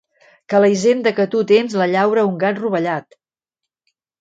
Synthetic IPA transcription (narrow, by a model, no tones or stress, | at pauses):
kələizend̪əkət̪ut̪enzləʎawɾəuŋɡanruβəʎat̪